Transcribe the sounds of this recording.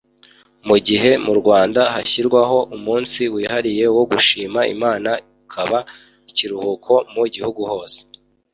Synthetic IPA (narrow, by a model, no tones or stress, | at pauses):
muɟiɦe̞muɾɡwaːndahaçiɾɡwaɦo̞ʔumuːnsiwiːhaɾije̞wo̞ɡuʃiːmaḭmaːna | ukʰaβa | iciɾuhukʰo̞muɟihuɡuho̞ːse̥